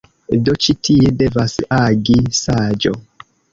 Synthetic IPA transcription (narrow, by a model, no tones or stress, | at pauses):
dot͡ʃitiede̞vasaɡisad͡ʒo̰